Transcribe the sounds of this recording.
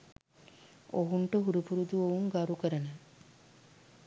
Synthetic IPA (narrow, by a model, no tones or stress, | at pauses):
oɦuɳʈəɦuɾupuɾud̪uʋouŋɡaɾukəɾənə